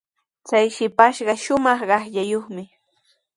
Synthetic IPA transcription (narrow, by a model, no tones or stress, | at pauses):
t͡sajʃɪpaʃɢɑʃʊmɑχɢɑχʎajoχmɪ